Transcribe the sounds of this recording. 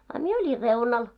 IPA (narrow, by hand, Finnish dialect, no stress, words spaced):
ɑ mie olʲir reunɑl